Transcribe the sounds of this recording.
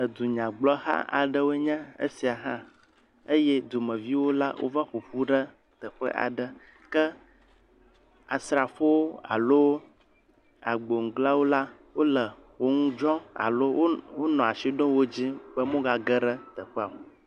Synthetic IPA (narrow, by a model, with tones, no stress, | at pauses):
ə˨d̪u˨ɲã˨ɡ͡blɔ˦ɦa̰˦ʔa̰˨ɖə˦wo˦e˦ɲɛ̃˦ə̰˦si˨a˨ɦã˦ | ə˦jɛ˦d̪o˨mə̃˨vi˦wo˦la̰˦wʔo̰˦va˦ɸu˨ɸu˦ɖə˦ | t̪ə˨ɸə̰˦ʔa̰˨ɖə˦ | kə˦ | a˨sɾa˨ɸo˦wo˦a̰˨lo˦ | a̰˨ɡ͡bo˨ŋ̩̃˨ɡla˦wo˦la˦ | wo˦lə˨wo˦ŋũ˦d͡ʒɔ̃˦a̰˨lo˦wo˦wo˦nɔ̃˨a˨ʃi˦ɖõ˦wo˦d͡ʑĩ˦bə˦mõ˦ɡa˨ɡə˦ɖə˦t̪ə˨ɸɛ˦a˨o˨